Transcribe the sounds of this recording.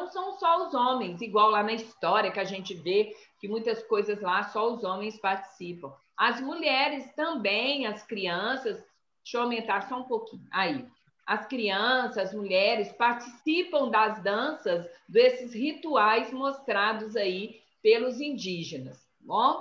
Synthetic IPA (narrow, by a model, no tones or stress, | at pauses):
nɐ̃w̃sɐ̃w̃sɔʊzõmẽj̃siɡwawlanɐist̪ɔɾʲiɐkɪaʒẽnt͡ʃɪvekɪmũj̃t̪ɐskojzɐzlasɔʊzõmẽj̃spaɾt͡ʃi̥sipɐ̃w̃ | ɐzmuʎɛɾɪst̪ɐ̃bẽj̃ɐskɾiɐ̃sɐs | ʃoamẽnt̪aɾsɔũpokĩɲʊʔai | ɐskɾiɐ̃sɐzɐzmuʎɛɾɪspaɾt͡ʃisipɐ̃w̃d̪ɐzd̪ɐ̃sɐzd̪esɪzhit̪uajzmost̪ɾad̪ʊzai | pelʊzĩd͡ʒiʒenɐs | bõ